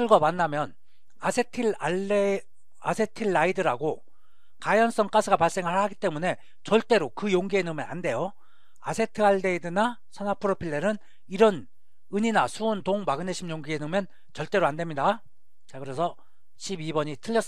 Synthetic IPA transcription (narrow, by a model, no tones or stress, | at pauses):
ɯɭɡwamanːamjʌn | asʰetʰie | asʰe̞tʰiɭːaidɯɾaɡo | kajʌns͈ʌŋk͈asʰɯɡapaɭs͈e̞ŋɯɭhaɡit͈e̞mune̞ | t͡ɕʌɭt͈e̞ɾokɯjoŋɡienɯmjʌna̰nde̞jo | asʰe̞tʰɯaɭde̞idɯna | sʰʌnapʰɯɾopʰiɭːe̞nɯn | iɾʌn | ɯɲinasʰuontoŋmaɡɯneɕʰimjoŋɡienɯmjʌn | t͡ɕʌɭt͈e̞ɾoande̞mɲida | t͡ɕakɯɾe̞sʰʌ | ɕʰibibʌɲitʰɯʎːʌs͈